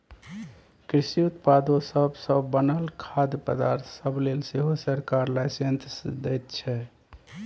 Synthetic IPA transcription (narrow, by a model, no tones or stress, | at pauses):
kɾisiut̪pad̪osəbsəbːənəlkʰad̪pəd̪aɾt̪ʰsəblelseɦosəɾkaɾlajsent̪ʰsd̪ɛjt̪̚t͡ʃʰɛ